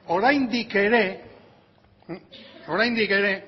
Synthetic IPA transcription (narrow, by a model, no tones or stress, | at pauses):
o̞ɾajnd̪ike̞ɾe̞ | o̞ɾajnd̪ike̞ɾe̞